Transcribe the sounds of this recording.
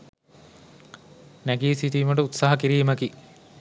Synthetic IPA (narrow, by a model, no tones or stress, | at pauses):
næɡiːsit̪iːməʈəut̪saɦɐkiɾiːməki